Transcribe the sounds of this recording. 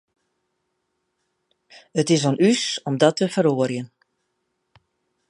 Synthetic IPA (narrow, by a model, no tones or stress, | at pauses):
ətɪsonysɔmdɔtʰəfəɾoərjən